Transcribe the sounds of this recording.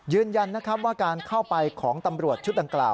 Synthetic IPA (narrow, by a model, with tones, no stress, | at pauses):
jɯː˧nja˧nːa˦˥kʰɾa˦˥p̚waː˥˩kaː˧nkʰa˥˩wpa˧jkʰɔː˩˦ŋt̪a˧mɾu˨˩ət̪̚t͡ɕʰu˦˥t̪̚da˧ŋklaː˨˩w